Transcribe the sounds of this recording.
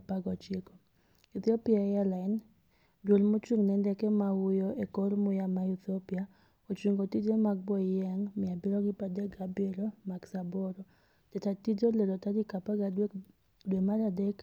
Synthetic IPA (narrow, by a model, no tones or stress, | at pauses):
paɡɔt͡ʃeko | it̪iopiaɛjalan | dwolmot͡ʃuŋnɛndɛkɛmaʊjɔʔekoɾmʊjamait̪iopia | ot͡ʃuŋɡotid͡ʒomaɡ̚bɔjɛŋmɪabɪɾɔɡɪpadɛɡabeɾɔmaɡsabɔɾɔ | tɛtatid͡ʒolelɔtadikapaɡae | dwemaɾadɛk